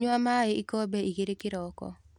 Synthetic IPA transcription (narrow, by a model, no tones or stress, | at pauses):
ʊamaɪikobeiɡeɾekɪɾɔkɔ̰